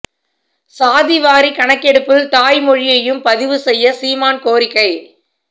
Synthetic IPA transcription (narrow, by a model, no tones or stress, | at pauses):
saːðɪʋaːɾikɐɳɐkːɛɽɯpːɯlt̪aːjmɔɻɪjɐjɯmpɐðɪʋɯsɛjːɐsiːmaːnkoːɾɪkːɐɪ